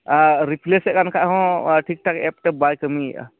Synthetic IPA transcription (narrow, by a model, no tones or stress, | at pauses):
aɾipʰlesɛʔkankʰaʔɦɔ̃ʈʰik̚ʈʰakɛp̚ʈebajkəmḭ